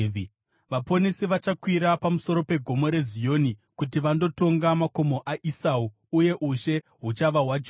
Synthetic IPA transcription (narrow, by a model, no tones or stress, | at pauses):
ʋapo̞nesiʋat͡ʃakwiɾapamuso̞ɾo̞pe̞ɡʱo̞mo̞ɾe̞zijo̞ːnikutiʋando̞to̞ŋɡamakomo̞ʔaʔisau | uje̞ʔuʃe̞ | ɦut͡ʃaʋaɦwad͡ʒ